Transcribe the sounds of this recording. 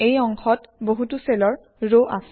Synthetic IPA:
ejɔŋkʰɔtboɦutuselɔɹ | ɹoʔas

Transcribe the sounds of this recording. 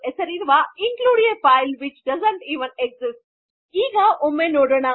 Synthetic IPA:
esɐɾiɾʋaɪ̃nkluːɽɪ̃ŋefaɪlʋɪt͡ʃɖɐzə̃ɳʈiːʋə̃nɛɡzɪsʈ | iːɡaʔʊmẽnoːɖəɽa

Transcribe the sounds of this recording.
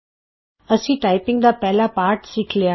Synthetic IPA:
əsĩʈajpɪ̃ŋɡd̪apɛɦlapaɾʈsikʰlea

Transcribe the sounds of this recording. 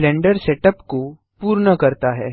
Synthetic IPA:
lɛ̃ːɳɖəɾseʈəpko | puːɾɳəkɐɾt̪aɦɛː

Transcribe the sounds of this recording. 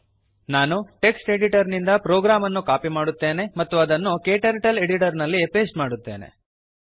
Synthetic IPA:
naːnuʈe̞ksʈe̞ɽiʈɐɾnind̪ɐpɾoːɡɾaːmɐnːukaːpimaːɽut̪ːe̞ːne̞mɐt̪ːuɐd̪ɐnːukeːʈɐɾʈɐle̞ɽiʈɐɾnɐlːipe̞ːsʈmaːɽut̪ːe̞ːnḛ

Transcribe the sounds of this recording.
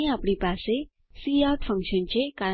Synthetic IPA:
eapɽ̃ipase | siawʈfʰə̃ŋkʃənt͡ɕeka

